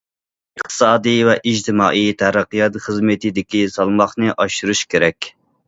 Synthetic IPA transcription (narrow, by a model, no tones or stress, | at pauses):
əχt̪ʰɨ̥sɑːd̪ɨjvɛʔid͡ʒt̪ʰɪmɑːʔit̪ʰæɾæqːɨjɑt̪χəzmɪt̪ɪd̪ɪkʲisɑlˠmɑχnɨʔɑʃuɾuʃkʲeɾɛkʲ